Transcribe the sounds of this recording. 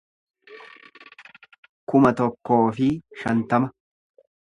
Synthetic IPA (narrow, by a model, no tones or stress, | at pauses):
kʊmɐt̪ɔkːo̞ːfɪʃɐnt̪ɐmɐ